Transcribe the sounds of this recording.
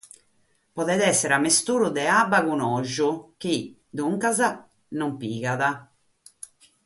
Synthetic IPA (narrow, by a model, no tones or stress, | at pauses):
pɔðɛðɛsːɛɾamest̪uːɾud̪ɛabaɣunɔʒuk̟i | d̪uŋkaza | nɔmpiːɣaða